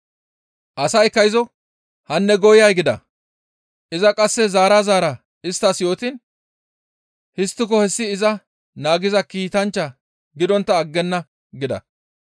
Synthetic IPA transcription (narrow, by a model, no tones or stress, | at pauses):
ʔɐsɐjɪkːɐjɪzɔ | hɐnːɛɡɔjɪjɐjɡɪd̪ɐ̰ | ʔɪzɐkʼɐsːɛzaːɾaːzaːɾɐ | ɪst̪ːɐsjo̞ːt̪ɪn | hɪst̪ːɪk̬ɔhɛsːɪːzɐ | naːɡɪzɐkiːt̪ɐnt͡ʃːɐ | ɡɪd̪ɔnt̪ːɐːɡːɛnːɐ | ɡɪd̪ɐ̰